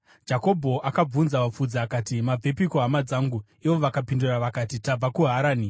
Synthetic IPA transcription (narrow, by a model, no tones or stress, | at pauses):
d͡ʒako̞bʱo̞ʔakab͡vunzaʋap͡fud͡zaːkatimab͡vʱepikoɦamad͡zaːŋɡu | iʋo̞ʋakapinduraʋakatitab͡vakuɦaɾaːni